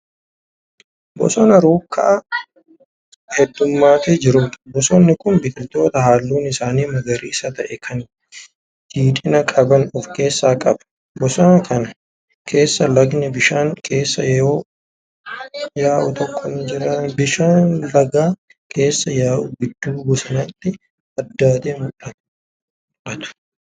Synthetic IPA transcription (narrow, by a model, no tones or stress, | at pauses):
bɔ̰sɔnɐɾuːkːɐʔɐ | hɛd̪ːʊmːaːt̪eːd͡ʒɪɾʊt̪bɔsɔnːɪkʊnbɪt̪ʼɪlt̪o̞ːt̪ɐhaːlːuːnɪsaːniːmɐɡɐɾiːɪsɐt̪ɐʔɛkʰɐn | d͡ʒiːt̪ʼɪnɐkʼɐbɐnɔfke̞ːsːaːkʼɐbɐ̥ | bɔsɔnɐkɐnɐ | kʰe̞ːsːɐlɐɡnɛbɪʃaːŋkʰe̞ːsːɐjoː | jaːʔʊt̪ɔkʰʼːɔnd͡ʒɪɾɐnbɪʃaːnlɐɡaː | kʰe̞ːsːɐjaːʔʊɡɪd̪ːuːɡɔsɐnɐt̪ːɪ | ɐd̪ːaːt̪eːmʊᶑɐt̪ | ᶑɐt̪ʊ̥